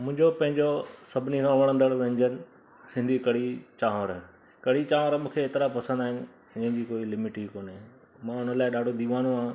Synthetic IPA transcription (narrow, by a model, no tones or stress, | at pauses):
mʊ̃ɦɪ̃ɲd͡ʑopɐ̃ɦɪ̃ɲd͡ʑosɐbʱɪnikʰãːʋɐɽ̃ə̃nd̪əɽʋẽɦɪ̃ɲd͡ʑənɪ̆ | sɪ̃nd̪ʱikɐɽit͡ɕaːʋəɾ | kɐɽit͡ɕaːʋəɾəmũːkʰeːt̪ɪɾapɐsə̃nd̪aːɦɪnɪ̆ | ɪ̃əɦɪ̃ɲd͡ʑikoːilɪmɪʈikoːne | mãʊn̤əlaːɪɗaːɖʱod̪iːʋaːnoãː